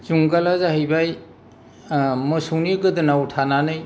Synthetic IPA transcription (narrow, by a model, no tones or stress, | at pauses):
zuŋɡalazaɦɯjbaj | mɯsuŋniɡɯdɯnawtʰananɯj